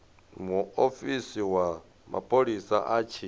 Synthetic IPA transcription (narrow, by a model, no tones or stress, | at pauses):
muofisiwa | ma̰pʰʼoɺisaʔat͡ʃʰi